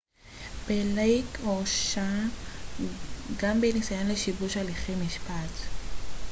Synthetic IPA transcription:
b̥elejkoʃa | ɡambenisajanleʃibuʃaliχejmiʃpat

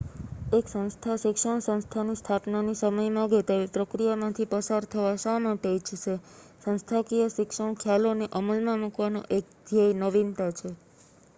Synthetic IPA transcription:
eksə̃ñst̪ʰaʃɪkʂəɳ̃sə̃ñst̪ʰanist̪ʰapnanisəməjmãɡet̪aʋipɾəkɾijamãt̪ʰipəsaɾt̪ʰəʋasamãʈ̪et͡ʃʃe | sə̃nst̪ʰakijəʃɪkʃəɳ̃kʰjaloneʔəməlmãmukʋano̰ʔek̚d̪ʱijəjnəʋint̪at͡ʃʰe

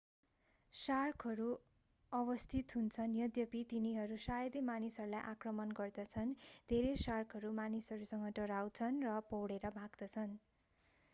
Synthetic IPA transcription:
sarkʰʌɾu | ʌbʌst̪ʰit̪ɦunt͡sʰʌnjʌd̪jʌpit̪iniɦʌɾusajʌd̪emanisʌɾulajʔakrʌmʌnɡʌrd̪ʌt͡sʰʌnd̪ʱeɾesarkʰʌɾumanisʌɾusʌŋɡʌʈʌɾawt͡sʰʌnrʌpʌwɽeɾʌbʱaɡd̪ʌt͡sʰʌn

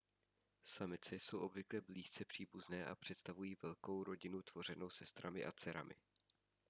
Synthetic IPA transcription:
samɪt͡sɛso̞wʔo̞bvɪklɛbliːst͡sɛpr̥iːbuznɛːʔa̰pr̝̥ɛt̪st̪avujiːvɛlko̞wɾo̞ɟɪnut̪v̥o̞r̝ɛno̞wsɛst̪ɾamɪʔat͡sɛɾa̰mʔɪ̰

